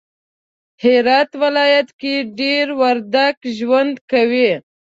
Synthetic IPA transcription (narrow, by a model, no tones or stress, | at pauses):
hiɾɑt̪wɪlɑjat̪kiɖeɾwaɾd̪akʒwand̪kawi